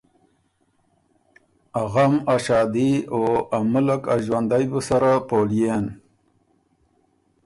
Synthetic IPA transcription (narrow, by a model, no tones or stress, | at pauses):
aɣamaʃɑːd̪ioamʊlakaʒwand̪ajbusaɾapoljen